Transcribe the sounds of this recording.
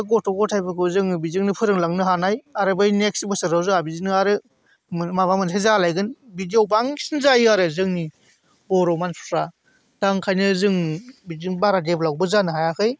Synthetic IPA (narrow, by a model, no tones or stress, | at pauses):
ɯɡɔtʰɔɡɔtʰajbɯkʰɯzɯŋbizɯŋnɯpʰɯɾɯŋlaŋnɯɦanajaɾɯbɯjnek̚sibɯsɯɾawzɯabizinɯaɾɯ | mmabaŋmɯntʰajzalajɡɯnbidiowbaŋʰsinzajɯaɾɯzɯŋni | bɔɾɔmanpʰu̥tʰɾa | d̥aŋkʰajnɯzɯŋbizɯŋbaɾadepʰlawbɯzanɯɦajakʰɯj